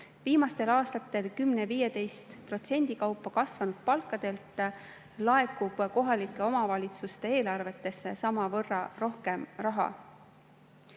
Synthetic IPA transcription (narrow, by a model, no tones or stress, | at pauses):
viːmɑst̪e̞lɑːst̪ɑt̪ːˑe̞lkymneviːje̞t̪e̞jst̪pro̞t̪se̞nʲd̪̥ikɑwpːˑɑkɑsvɑnud̪̥̚pɑlkːˑɑd̪̥e̞lt̪ˑ | lɑe̞kːub̥ko̞ɦɑlikːˑe̞o̞mɑvɑlʲit̪sust̪e̞e̞ːlɑrve̞t̪ːe̞sːe̞sɑmɑvɤrːɑɾo̞hke̞mrɑɦɑ̰